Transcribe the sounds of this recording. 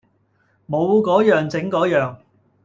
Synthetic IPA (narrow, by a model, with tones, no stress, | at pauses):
mo˨˧wkɔː˨˥jœː˨ŋt͡sɪ˨˥ŋkɔː˨˥jœː˨ŋ